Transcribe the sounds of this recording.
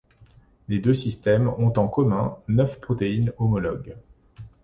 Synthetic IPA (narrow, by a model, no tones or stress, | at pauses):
led̪øsist̪ɛmɔ̃t̪ɑ̃kɔmɛ̃nœfpχɔt̪einɔmɔlɔɡ